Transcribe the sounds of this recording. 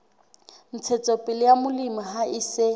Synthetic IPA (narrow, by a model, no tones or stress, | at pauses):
n̩t͡sʰɛt͡sʼɔpʼɪlɪjamʊlimaɦaʔɪsɪ